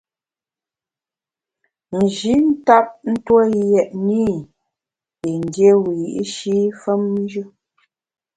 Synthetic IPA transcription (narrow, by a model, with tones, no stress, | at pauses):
n̩˨ʒi˨˦n̩˦ta˦p̚n̩˦two˦jɛ˨ʔni˦˨ | i˨n˨dje˦wi˨ji˦ʔi˦ʃi˦fə˦m˦d͡ʒə˦